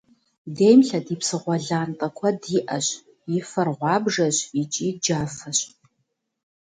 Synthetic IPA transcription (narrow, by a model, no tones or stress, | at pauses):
deːjmɬɐdiːpsɨʁʷɔɮaːntʼɐkʷʰɔdiːʔɐɕ | jɪfɐrʁʷɑːbʐɐɕit͡ʃʼiːd͡ʒaːfɐɕʼ